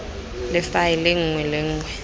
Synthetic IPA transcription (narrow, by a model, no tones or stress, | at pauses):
lɪfajɪlɪŋ̩ŋwɛleŋ̩ːŋwɛ